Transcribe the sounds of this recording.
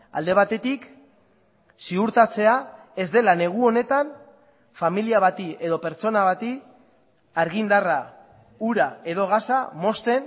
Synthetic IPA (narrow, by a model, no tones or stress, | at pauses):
a̰ld̪e̞β̞at̪e̞t̪ik | siuɾt̪at͡se̞ae̞zd̪e̞lane̞ɣ̞uo̞ne̞t̪an | familiaβ̞at̪iʔe̞ðo̞pe̞ɾt͡so̞naβat̪i | aɾɣind̪ara | uɾae̞ðo̞ɣ̞asamo̞st̪e̞n